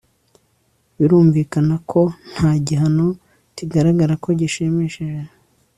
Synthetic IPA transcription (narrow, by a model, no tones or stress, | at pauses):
βiɾuːɱviːkanakʰo̞n̥haːɟiɦano̞ | tiɡaɾaɡaɾako̞ɟiʃemeʃeʒe